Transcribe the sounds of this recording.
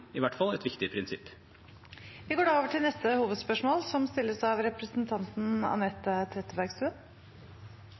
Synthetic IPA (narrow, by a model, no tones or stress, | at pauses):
ɪʋæʈːfɑlɛt̪ʋɪkt̪ɪpʰɾɪnsɪpː | ʋɪɡoːɖɑːoːʋəʈʰɪlnɛst̪əhuːʋəd̪spœʂmoːlsɔmst̪ɪlːəsɑʋɾɛpɾəsn̩t̪ʰɑnt̪n̩ɑ̰nɛt̪ːət̪ʰɾɛt̪ːəbæɾɡst̪ʉːən